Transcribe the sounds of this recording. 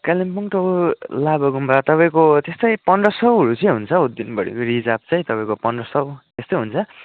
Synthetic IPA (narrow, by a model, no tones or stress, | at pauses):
kalimpuŋʈoulabʌɡumbat̪ʌpaĩkot̪est̪ʌjpʌnɖʌsʌwɦʌɾut͡sʌĩɦunt͡sʰʌud̪ːinbʌɽḭɾid͡zab̚t͡sʌ̃j̃t̪ʌpãĩkopʌɳɖʌsʌwt̪est̪ʌjɦunt͡sʰʌ